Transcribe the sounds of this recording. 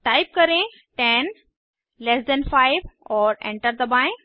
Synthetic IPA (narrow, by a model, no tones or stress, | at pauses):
ʈajp̚kəɾẽ | ʈɛn | lesd̪ɛnfajʋɔːɾḛ̃ɳʈəɾd̪əbãj̃